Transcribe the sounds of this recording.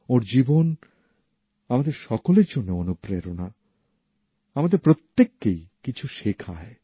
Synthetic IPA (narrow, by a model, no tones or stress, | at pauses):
oɾd͡ʑibon | amad̪eɾʃɔkoleɾd͡ʑonːeonupɾeɾona | amad̪eɾpɾot̪ːekːejkit͡ɕʰuʃekʰa̰e